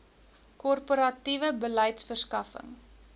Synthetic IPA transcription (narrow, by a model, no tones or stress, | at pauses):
kɔrpoɾɐtivəbələjtsfərskɐfə̰ŋ